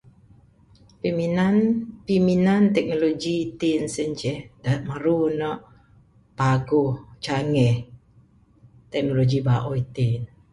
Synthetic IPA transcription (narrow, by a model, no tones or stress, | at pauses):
piminanpiminant̪ɛk̚noloɡit̪insəɲt͡ʃɛhdamaɾunɔʔ | paɡuht͡ʃaŋɛh | t̪ɛk̚noloɡibaʔɔjit̪in